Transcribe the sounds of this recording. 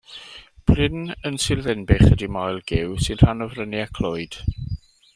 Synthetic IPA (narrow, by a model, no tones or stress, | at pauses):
pʰlɪnənsɪrðɛnbɪχədimajlˠɡɪwsɪn̥hanɔvrəniakʰl̥ˠoɨd̥